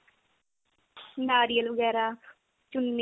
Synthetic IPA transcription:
daːɾiːəlʋəɡɛːɾaː | t͡ʃʊnme

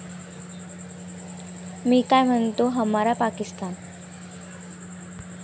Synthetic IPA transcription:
miːkajm̤ənt̪oɦəmaɾapakist̪aːn

